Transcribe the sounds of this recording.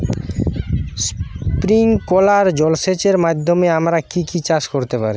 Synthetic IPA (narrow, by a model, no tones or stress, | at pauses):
spɾiŋkolaɾd͡ʑɔlset͡ɕeɾmad̪ʱːomeamɾakikit͡ɕaʃkoɾt̪epaɾe